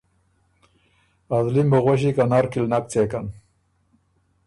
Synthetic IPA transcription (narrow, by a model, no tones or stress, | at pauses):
azlimboɣoɕ̬ikanaɾkilnak̚t͡sekan